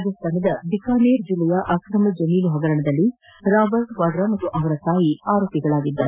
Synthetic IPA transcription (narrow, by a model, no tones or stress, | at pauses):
d̪ɐst̪aːnɐd̪ɐb̪ikaːneːɾd͡ʒilɛjɐʔɐkɾɐmɐd͡ʒɐniːluɦɐɡɐɾɐɳɐd̪ɐlːi | ɾaːbɐɾʈʋɐɖɾɐmɐt̪ːuʔɐʋɐɾɐkaːjiaːɾoːpiɡɐɭaːɡid̪ːɐ